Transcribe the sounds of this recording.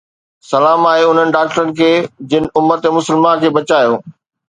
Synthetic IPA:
sɐlaːmaːɦeʊn̤ənɪ̆ɖaːk̚ʈəɾənɪ̆kʰeːd͡ʑɪnɪ̆ʊməɾt̪emʊsəlmankʰeːbɐt͡ɕaːjoː

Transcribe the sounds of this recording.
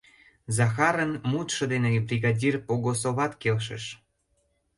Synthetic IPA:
zɑxɑɾənmut̪ʃɤ̆d̪enebrʲiɣɑdʲirpoɣosoβɑt̪kelʃḛʃ

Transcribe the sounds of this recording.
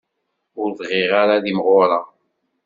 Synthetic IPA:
ʊɾðʁɪʁaɾaðimʁʊɾˤa

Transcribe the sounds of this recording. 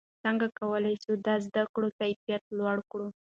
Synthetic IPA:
t͡səŋɡakawəlajʃud̪ɑzd̪akɽot̪ajfijat̪̚lwaɽkɽu

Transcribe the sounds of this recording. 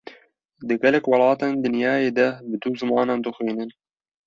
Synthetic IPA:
d̪ɨɡɛlɛkwɑlɑːt̪eːnd̪ɨnjɑːjeːd̪ɛbɨd̪uːzɨmɑːnɑːnd̪ɨxʷwiːnɨn

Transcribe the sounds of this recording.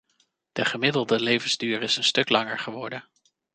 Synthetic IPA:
d̥əχəmɪdəlˠdəlejvənzdyːɾɪsənstɵklɑŋəɹχəʋɔɹdən

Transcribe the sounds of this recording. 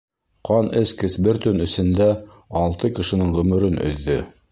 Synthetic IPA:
qʰɑnʔɘskɘ̆sbɘɾt̪ɵnɵ̆sɘ̆nd̪æ | ɑlˠt̪ɤkɘ̆ʃɘ̆nɘɴʁɵ̆mɵ̆ɾɘnɵ̰̆ðːɵ

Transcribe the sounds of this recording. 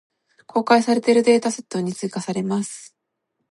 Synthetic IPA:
kʰo̞ːkaisaɾe̞t̪e̞ɾɯ̟d̪e̞ːt̪ase̞̥t̪ːo̞ɲ̟it͡sɨikasaɾe̞masɨ̥

